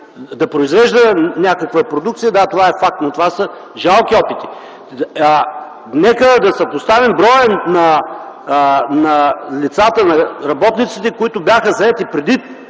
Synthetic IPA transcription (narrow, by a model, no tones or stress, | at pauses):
d̪ɐpɾoizvɛʒd̪ənʲakəkvəpɾod̪ukt̪sijəd̪at̪ovaɛfak̚t̪not̪ovasə | ʒalˠkiɔpit̪i̥ | nɛkəd̪ɐsɐpost̪avimbɾɔjənɐ | nɐlʲit̪sat̪ənɐɾɐbɔt̪nit̪sit̪ɛkʊit̪ʊbjaxəzɐɛt̪ipɾɛd̪it̪